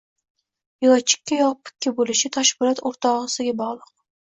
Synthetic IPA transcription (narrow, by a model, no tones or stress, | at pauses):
jʊlˠat͡ʃʰːɪ̥kʲːajɒpʰːɪ̥kʲʰːɪbolɪʃɪt̪ʰaʃbɪlˠɒt̪oɾt̪ʰɒʁɨsɪɡʲabɒʁlˠɨq̚